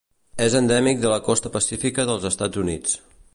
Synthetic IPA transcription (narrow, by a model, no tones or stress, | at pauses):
ezənd̪ɛmik̚d̪ələkɔst̪əpəsifikəðəlˠzəst̪ad͡zunit͡s